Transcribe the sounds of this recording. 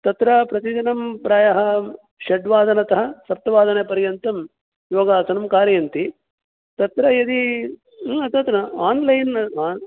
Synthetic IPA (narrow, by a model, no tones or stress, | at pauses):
t̪ɐt̪ɾɐpɾɐt̪id͡ʒɐnɐmpɾaːjɐɦɐ̆ | ʃɐɖʋaːd̪ɐnɐt̪ɐɦɐ̆sɐp̚t̪ɐʋaːd̪ɐnepɐɾjɐnt̪ɐm | joːɡaːsɐnɐmkaːɾjɐnt̪i | t̪ɐt̪ɾɐjɐd̪i | ɐt̪ɐt̪nɐaːnlɐjnaː